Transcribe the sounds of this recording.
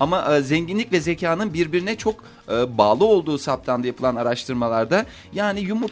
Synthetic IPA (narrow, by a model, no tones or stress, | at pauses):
amaʔzɛɲɟinlʲicvɛzecʰaːnɯnbiɾbiɾinɛt͡ʃʰo̞k | ɯːbaːlˠɯo̞lˠd̪uːsap̚t̪ʰand̪ajapʰɯlˠanaɾaʃt̪ʰɯɾmalˠaɾd̪a | jaːnijumu